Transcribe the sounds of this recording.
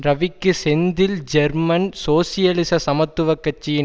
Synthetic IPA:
ɾɐʋɪkːɯsɛnd̪ɪld͡ʒɛɾmɐnsoːsɪjɐlɪsɐsɐmɐt̪ːɯʋɐkːɐt͡ʃːijɪn

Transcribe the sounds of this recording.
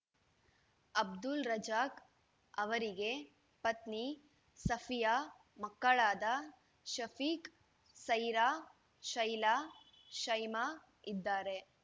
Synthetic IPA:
ɐb̚d̪ulɾɐd͡ʒaːk | ɐʋɐɾiɡe | pɐt̪ni | sɐfʰijaː | mɐkːɐɭaːd̪ɐ | ʃɐfʰiːk | sɐjɾaː | ʃɐjlaː | ʃɐjmaː | id̪ːaːɾe̞

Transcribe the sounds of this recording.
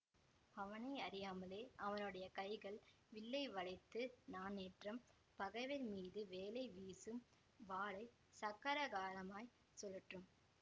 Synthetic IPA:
ɐʋɐnɐɪɐɾɪjaːmɐleːʔɐʋɐnɯɽɐjɐkɐɪɣɐɭ | ʋɪɭːɐɪʋɐɭɐɪt̪ːɯnaːneːʈrɐm | pɐɣɐʋɪlmiːðɯʋeːlɐɪʋiːsɯm | ʋaːɭɐɪ | sɐɣɐɾɐɣaːlɐmaːj | sɔlːɯʈrɯm

